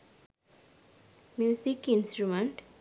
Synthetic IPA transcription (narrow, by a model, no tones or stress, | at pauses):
mjusikinsʈɾumeɳʈ